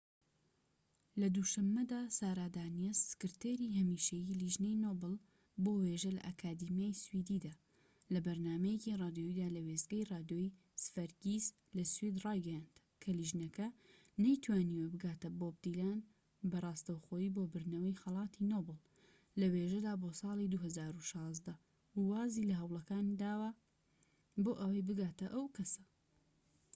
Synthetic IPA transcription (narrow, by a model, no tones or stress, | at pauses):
lɐd̪uʃɐmːɐd̪aːsaːɾaːd̪aːnijezsɨ̥kɨɾt̪eːɾiːɦɐmiːʃɐjiliʒnejnoːbɨl | boːweʒɐlɐ̰ʔakʰaːd̪imijaːjswid̪iːd̪aː | lɐbɐɾnaːmɐjecirˤɑːd̪jojid̪aːlɐwezɡɐjrɑːd̪joi | sɨ̥fɐɾɡiːz | lɐswid̪rɑːjɡɐjaːnd̪̥ | kʰɐliʒnɐkʰɐ | nɐjt̪ʰwaːniːwɛbɨɡaːt̪ɐboːb̚d̪ilaːn | bɐrˤɑːst̪ɐwχoːjiːboːbɨɾnɐwɐjxɐlˠɑːt̪ʰinoːbɨlˠ | lɐweːʒɐd̪aːbosɑːlˠid̪uɦɐzaːɾuʃɑːzd̪ɐ | uwaːzilɐɦɐwlˠɐkaːnd̪aːwɐ | boːʔɐwɐjbɨɡaːt̪ɐʔɐwkʰɐsɐ̥